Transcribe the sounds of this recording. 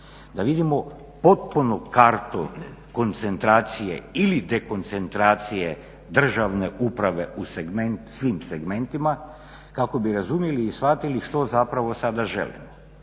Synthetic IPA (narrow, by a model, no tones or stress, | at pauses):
d̪aʋid̪imo̞ | po̞t̪̚punokaɾt̪oko̞nt̪se̞nt̪ɾaːt̪sijḛilid̪e̞ko̞nt̪se̞nt̪ɾaːt̪sije | d̪r̩ʒaʋne̞ʔupɾaʋe̞ʔuseɡment̪sʋimseɡme̞nt̪ima | kako̞biɾazumjeliːsfat̪iliʃt̪o̞zapɾaʋo̞sad̪aʒe̞̰lḭmo